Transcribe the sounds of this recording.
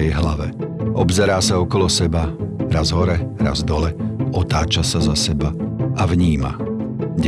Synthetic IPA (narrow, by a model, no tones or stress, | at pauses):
ɛjɦlaʋɛʔɔbzɛɾaːsaɔkɔlɔsɛbaɾazɦɔɾɛɾa̰zd̪ɔlɛɔt̪aːt͡ʃasazasɛbaʔavɲiːma̰ɟ